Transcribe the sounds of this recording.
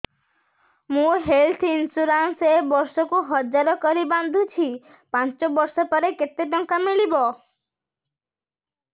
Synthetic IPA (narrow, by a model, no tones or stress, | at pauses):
mũɦelt̪ʰinsuɾansebɔɾsɔkuɦɔd͡ʒaɾɔkɔɾiband̪ʱut͡ʃʰi | pãnt͡ʃɔbɔɾsɔpɔɾeket̪eɖ̪ɔŋkamiɭibɔ